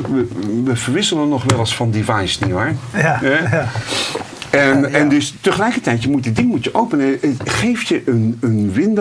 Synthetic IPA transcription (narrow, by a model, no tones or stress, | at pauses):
əʋəvəɹʋɪsələnːɔχʋɛlˠɪsfɑndevɑjsniʋaɹɦɛ | ɛnɛndɵstəχəlɛjkəɹtɛjtjəmutdɪdɪŋmutəʔowpənəəχejfjəʔənənʋɪnd